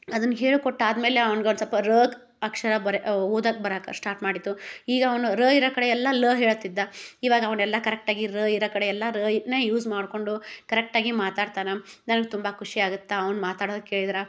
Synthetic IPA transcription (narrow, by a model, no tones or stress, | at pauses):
ɐd̪ɐnːɦeːɭukoʈːaːd̪me̞ːleɐʋɐnɡeɐnsɐlpɐɾəːɡ | ɐkʂɐɾɐbɐɾeoːd̪aːkbɐɾakɐsʈaːɾʈmaːɽid̪ːuiːɡɐːʋɐnuɾəːiɾoːkɐɽeɛlːɐləːɦeːɭɐt̪ːid̪ːɐiːʋaːɡɐʋɐnɛlːɐkɐɾɛk̚ʈaːɡiɾəːiɾoːkɐɽeɛlːɐɾəːineːjuːzmaːɽko̞ɳɖukɐɾɛk̚ʈaːɡimaːt̪aːɖt̪aːnɐnɐnɐɡet̪umbɐkʰuʂiaːɡut̪ːɐɐʋɐnmaːt̪aːɽod̪ɐkːeːɭid̪iɾɐ